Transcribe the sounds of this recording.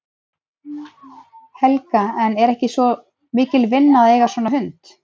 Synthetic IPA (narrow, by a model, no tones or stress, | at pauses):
hɛlkaɛnɛɾɛhcɪsvɔ | mɪːcɪlvɪnːaðeːjɣaɾsvɔːnaɦʏnt̪